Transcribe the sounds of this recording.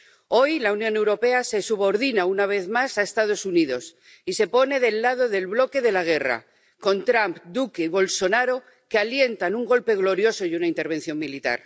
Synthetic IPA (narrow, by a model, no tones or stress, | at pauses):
o̞jlaunjõ̞ne̞wɾo̞pe̞ase̞suβo̞ɾðinaunaβ̞e̞θmasaest̪að̞o̞suniðo̞s | ise̞po̞ne̞ðe̞lːað̞o̞ðe̞lβlo̞ke̞ðe̞laɣ̞e̞ra̰ | ko̞nt̪ɾampd̪ukeiβo̞lso̞naɾo̞ | kealje̞nt̪anuŋɡo̞lpe̞ɣlo̞ɾjo̞so̞junaint̪e̞ɾβ̞e̞nθjo̞ŋmilit̪a̰ɾ